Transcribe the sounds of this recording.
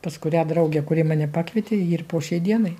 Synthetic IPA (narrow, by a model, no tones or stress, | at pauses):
pɐskʊɾʲæːd̪ɾɐʊɡʲɛkʊɾʲɪːmɑːnʲɛpɑːkʋʲiɛt̪ʲeːiːrpoːʃʲɛɪd̪ʲiɛnɐɪ